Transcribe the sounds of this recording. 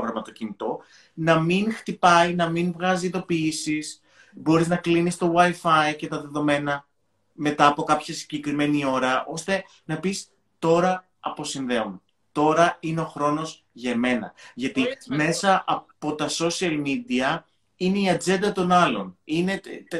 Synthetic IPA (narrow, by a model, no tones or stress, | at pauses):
ɣɾɐmɐt̪o̞cinit̪o̞ | nɐminxt̪ipɐinɐminvɣɐziiðo̞piisis | bo̞ɾiznɐklinist̪o̞wɐjfɐice̞t̪ɐðe̞ðo̞me̞nɐ | me̞t̪ɐːpo̞kɐpçɐsiɟe̞kɾime̞nio̞ɾɐʔo̞st̪e̞ | nɐpis | t̪o̞ɾɐː | po̞sinðe̞om | t̪o̞ɾɐineo̞xɾo̞no̞z | ʝɐeme̞nɐ̰ʝɐt̪ime̞sɐʔɐpo̞t̪ɐso̞siɐlmid̪iɐ | ine̞iɐd͡ze̞nd̪ɐt̪o̞nɐlo̞̰nine̞